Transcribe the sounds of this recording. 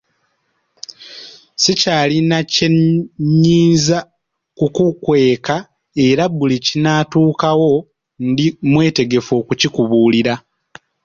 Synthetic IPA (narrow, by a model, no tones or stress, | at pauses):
sicaːlinaceɲːiːnza | kukukwe̞ːka | e̞ɾaβulicinaːtuːkawo̞ | ndimwe̞ːte̞ɡe̞fo̞ːkucikuβuːliɾa